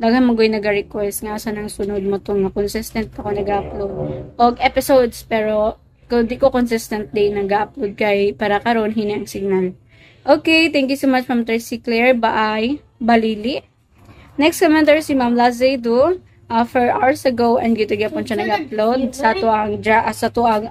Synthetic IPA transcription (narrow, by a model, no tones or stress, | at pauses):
d̪aɡɐnmɐɡojnɐɡɐɹɛkwɛst̪̚ŋasanɐŋsʊnod̪̚mot̪ʊŋɐkonsɪst̪ɐnt̪̚ɐkonɐɡaʔɐplod̪̚ʔoɡʔɛpɪsowd̪spɛːɾo̞ | kond̪ikokonsɪst̪ɐnt̪̚d̪ejnɐɡaʔɐp̚lowd̪̚kɐjpaːɾɐkɐɾo̞nɦiːniʔɐŋsɪɡ̚nal | ʔoːkejt̪ɛŋk̬jusomat͡ʃfɹɐmt̪ɛsiklɛɹbaʔaj | bɐliːlɪʔ | nɛkst̪kɔmɛnt̪ɛɹsimamlazejd̪u | ʔafɛɹʔawəsɐɡowʔɛnɡjut̪ʊɡɛpɔnʃɐnɐɡɐplowd̪̚sɐt̪oʔɐŋd͡ʒaʔɐsɐt̪oʔɐŋ